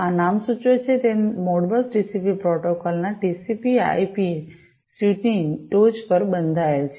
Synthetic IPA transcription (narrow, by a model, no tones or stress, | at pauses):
anamsut͡ʃot͡ʃʰet̪emoɽbəsʈisipipɾɔʈokɔlnaʈisipia̰jpi | suʈnĩʈod͡ʒpəɾbənd̪ʱaelt͡ʃʰe